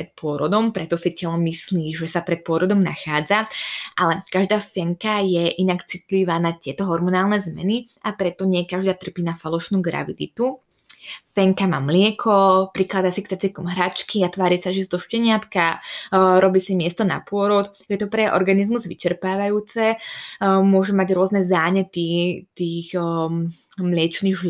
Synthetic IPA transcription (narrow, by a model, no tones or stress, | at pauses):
ɾɛt̪̚pʊɔɾɔd̪ɔmpɾɛt̪ɔsicɛlɔmːisliːʒɛsapɾɛt̪̚pʊɔɾɔd̪ɔmna̰xaːd͡zaʔalɛkaʒd̪aːfɛŋkajɛʔinakt͡sit̪liʋaːnat̪ɪɛt̪ɔɦɔɾmɔnaːlˠnɛzmɛ̰niʔapɾɛt̪ɔɲɛkaʒd̪aːt̪r̩piːnafalɔʃnuːɡɾa̰ʋḭd̪ḭt̪u | fɛŋkama̰ːmlɪɛkʰɔpɾiklad̪asikzət͡sikɔmɦɾaːt͡ʃkiat̪ʋaːɾisaʒizd̪ɔʃcɛɲɪat̪ka | ɾɔbiːsimɪɛst̪ɔna̰pʊɔɾɔt̪ | jɛt̪ɔpɾɛʔɔ̰ɾɡanizmuzʋḭt͡ʃɛɾpaːʋajuːt͡sɛ | mʊɔʒɛmaɟɾʊɔznɛzaːɲɛt̪it̪iːx | mlɪɛt͡ʃniːɣʒ